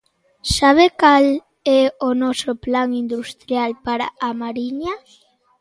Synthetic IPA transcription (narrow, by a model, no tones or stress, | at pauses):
saβ̞ekal | ɛonɔsoplaŋind̪ust̪ɾjalpaɾa̰ːmaɾiɲa